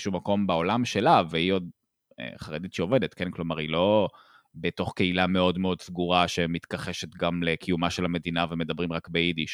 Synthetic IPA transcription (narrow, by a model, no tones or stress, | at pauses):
ʃumako̞mbeo̞lamʃe̞laveio̞d̰ | χaʁed̪it̪ʃeo̞vedet̪kenklo̞maʁilo̞ | beto̞χke̞ilame̞o̞dmeo̞d̪sɡuʁaʃemit̪kaχeʃe̞t̪ɡamlekʰijumaʃelame̞dinaveme̞d̪abʁimʁakbeid̪iʃ